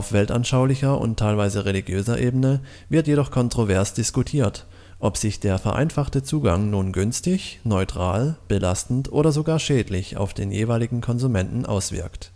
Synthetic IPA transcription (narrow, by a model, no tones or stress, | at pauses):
aʊfv̥ɛlta̰nʃaʊlɪçɐʊ̰ntʰaɪlvaɪzəʁeliɡjøːzɐʔeːbənə | vɪɐtjeɾɔχkʰɔntʁ̥ovɛɐsd̥ɪskutʰiːɐt | ʔɔpz̥ɪçd̥eːɐfɛɐʔa̰ɪnfaχtət͡suːɡa̰ŋnuːnɡʏnstɪçnɔʏtʁ̥aːlb̥əlastn̩tʔo̰ːɾɐzoɡaːɐʃɛːdlɪça̰ʊfd̥eːnjḛːvaɪlɪɡŋ̩kʰɔnzumɛntn̩ʔa̰ʊsv̥ɪ̰ɐkt